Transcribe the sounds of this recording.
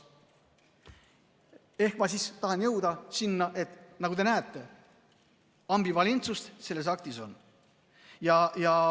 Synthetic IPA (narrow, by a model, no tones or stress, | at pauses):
e̞hkmɑsist̪ɑhɑnjɤwd̪̥ɑsinːɑʔe̞t̪ːˑnɑɡud̪e̞næːt̪ːˑe̞ | ɑmbivɑlʲint̪sust̪se̞lːe̞s̬ɑk̚t̪iso̞n | jɑjɑ